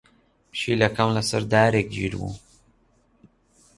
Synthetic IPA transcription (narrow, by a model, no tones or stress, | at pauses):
pʃilakamlasaɾd̪aːɾekʒḭɾwṵ